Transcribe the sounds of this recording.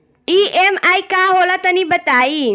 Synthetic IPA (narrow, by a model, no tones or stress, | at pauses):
iɛmajkaɦolat̪ənibət̪ai